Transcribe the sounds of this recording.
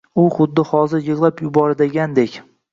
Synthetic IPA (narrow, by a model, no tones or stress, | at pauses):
ʊχʊd̪ːɪhɒzɪɾjɨʁlˠapjʊbɒɾd̪eɡʲand̪ekʲ